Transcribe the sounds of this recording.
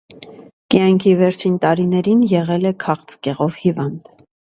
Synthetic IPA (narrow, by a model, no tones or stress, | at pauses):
kjɑŋkʰivɛɾt͡ʃʰint̪ɑɾin̪ɛɾinjɛʁɛlɛkʰɑχt͡skɛʁɔvhivɑnd̪